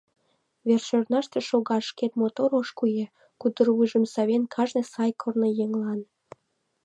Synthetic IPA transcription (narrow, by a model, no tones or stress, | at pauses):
βerʃørnɑʃt̪eʃoɣɑʃket̪̚mot̪oɾoʃkuje | kud̪ərβuʒə̆msɑβenkʰɑʒnesɑjkʰornojeŋlɑn